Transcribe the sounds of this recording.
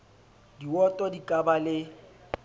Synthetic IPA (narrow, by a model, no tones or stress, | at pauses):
diwɔtʼɔdikʼabalɪ